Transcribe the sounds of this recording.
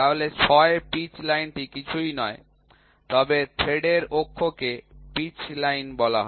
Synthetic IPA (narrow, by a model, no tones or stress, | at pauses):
aɦolet͡ɕʰɔepit͡ɕlajnʈikit͡ɕʰujnɔe | t̪ɔbet̪ʰeɖeɾpokʰːokepit͡ɕlajnbɔla̰ɦɔ